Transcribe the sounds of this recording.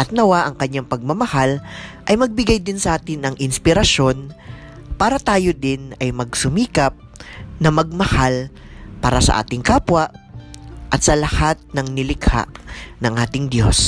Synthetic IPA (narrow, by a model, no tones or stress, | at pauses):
ʔɐt̪̚nɐwaʔɐŋkɐɲːaŋpɐɡ̚mɐmɐhalʔɐjmɐɡ̚bɪɡajd̪ɪnsɐʔaːt̪ɪnɐŋʔɪnspɪɾɐʃo̞n | paːɾɐt̪aːjod̪ɪnɐjmɐɡsʊmiːkɐp̚nɐmɐɡ̚mɐhalpaːɾɐsɐ̰ʔa̰ːt̪ɪŋkaːpwɐʔ | ʔɐt̪̚sɐlɐhat̪̚nɐŋnɪlɪkha̰ʔnɐŋʔaːt̪ɪŋd̪jo̞̰s